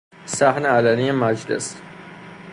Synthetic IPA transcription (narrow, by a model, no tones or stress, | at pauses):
sæhneælænijemæd͡ʒlḛs